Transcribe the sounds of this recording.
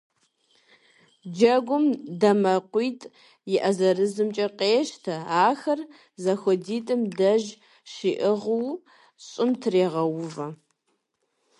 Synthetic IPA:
d͡ʒɐɡʷʊmdɐmɐqʷiːtʼ | jɪʔɐzɐrɨzɨmt͡ʃʼɐqʼeːʃtʰɐaːxɐr | zɐxʷɔdiːtʼɨmdɐʒ | ʃiʔɪʁw | ɕʼɪmtʰɨreːʁɐwʊvɐ

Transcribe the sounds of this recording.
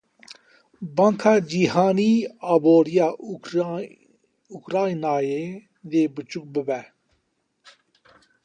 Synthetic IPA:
bãŋkʰaːd͡ʑiɦaːniːaːboːɾijaː | ukɾaːinaːje | d̪eːbət͡ʃuk̚bəbɛː

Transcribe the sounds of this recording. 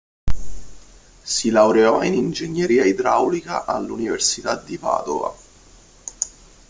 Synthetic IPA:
silawɾeɔinind͡ʒenːjeɾiːaid̪ɾawlika̰ʔalːuniversit̪ad̪ːipa̰ːd̪ova̰

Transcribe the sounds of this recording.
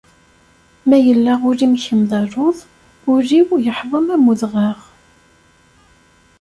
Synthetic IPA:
mæjəlːaʁʊɾimçəmðˤɑɾˤʊðˤ | ʊɾiwjəħvˤəmæmuðʁɑʁ

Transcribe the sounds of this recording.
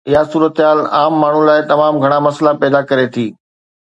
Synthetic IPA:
ɪɦasuːɾət̪ɦaːlaːmːaːɳ̤ũlaːɪt̪ɐmaːmɡʱɐɽ̃amɐslapɛːd̪akɐɾet̪ʰiː

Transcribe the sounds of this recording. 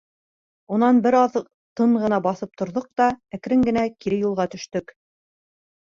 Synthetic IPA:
unɑnbɘɾɑð | t̪ɤɴʁɤ̆nɑbɑθɤp̚t̪ʰŏɾðoq̚t̪ɑæk̆ɾɘŋɡɘ̆nækiɾɘjulˠʁɑt̪ɵ̆ʃt̪ɵk

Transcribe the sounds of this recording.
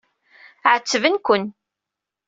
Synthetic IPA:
ʕət͡sːəvənkʷʊn

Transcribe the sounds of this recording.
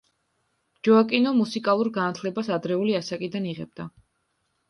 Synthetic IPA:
d͡ʒɔakʼinɔmusikʼalˠuɾɡanat̪ʰlɛbasad̪ɾɛuliasakʼid̪aniʁɛ̰b̚d̪̥a

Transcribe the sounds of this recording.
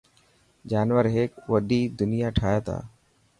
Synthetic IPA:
d͡ʒaːnʋəɾɦeːkʋəɗiːd̪ʊnɪjaːʈʰaːjaːt̪ʰa̰ː

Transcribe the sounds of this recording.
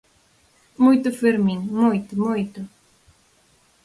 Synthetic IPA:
mujt̪ʊfeɾminmojt̪ʊmojt̪ʊ

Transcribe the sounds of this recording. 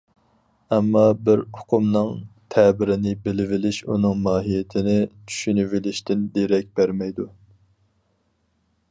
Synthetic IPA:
ɛmːɑbɪɾʊqʰʊmnɨŋt̪ʰɛbɪɾɪnɪbɪlɪvɪlɪʃṵnɨŋmɑːɦijɪt̪ʰɪnɪt͡ʃʰy̥ʃynyvɪlɪʃt̪ɪnd̪eɾɛk̚ʲb̥æɾmɛjd̪u

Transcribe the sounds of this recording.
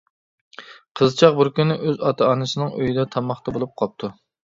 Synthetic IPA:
qʰəzt͡ʃʰɑq̚buɾkʲynːɪʔøzɑt̪ʰɑɑːnɨsɨnɨŋøjid̪ɛt̪ʰɑmɑχt̪ʰɑbolˠup̚qʰɑp̚t̪ʰu

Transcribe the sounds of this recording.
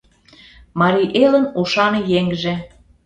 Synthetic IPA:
mɑɾiʔelə̆nuʃɑnɤjeŋɡʒĕ

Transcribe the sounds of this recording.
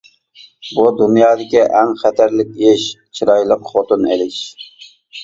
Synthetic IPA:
bud̪unjɑːd̪ɪkʲiʔɛŋχæt̪ʰæɾlɪk̚ʲeʃt͡ʃʰiɾɑjlˠəqχot̪ɨnḛlɪʃ

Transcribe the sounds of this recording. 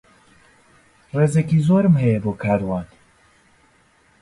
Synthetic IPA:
reːzekiːzoːɾɨmɦɛjɛboːkʰaːɾwaːn

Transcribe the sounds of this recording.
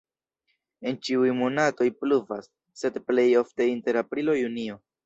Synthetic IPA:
e̞nt͡ʃiujmo̞nato̞jpluvasː | e̞dple̞jo̞fteinte̞ɾapɾilo̞junio̞

